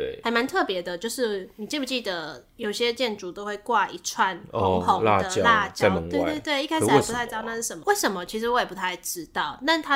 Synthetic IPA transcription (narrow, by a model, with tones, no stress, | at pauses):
e˩ha˨˩ɪma˧˦nt̪ʰɤ˥˩pjɛ˧˦d̪ə˨t͡ɕjo˥˧ʊʂɻ̩˥˩ni˨˩t͡ɕi˥˩pu˧˩t͡ɕi˥˩d̪ə˩jo˨˩ʊ˩ɕjɛ˦t͡ɕjɛ˥˩nʈ͡ʂu˨˩t̪o˥ʊxwe˥˩ɪkwa˥˧ʔi˧˥ʈ͡ʂʰwa˥˩nɔ˨˧˨o˨˦la̰˥˧˩ə˧t͡ɕjɑ˥˧la˥˧t͡ɕjɑa˥˨nə˧t̪we˥˧ɪ˧t̪we˥˩ɪt̪we˥ɪi˥˧kʰa˥ʂ̩˨˩˥u˧t̪ʰɪ˥˧na˥˧ʂɻ̩˥˩ə˨˩nm˦we˥˩ɪʂə˨˦nmə˨t͡ɕʰi˧˥ʂ̬̩˧wɔ˧˥jɛ˨˩pu˧˥t̪ʰa˧˩ɪʈ͡ʂɻ̩˦˥t̪ɑ˥˩ʊna˥˩nt̪ʰa˦˥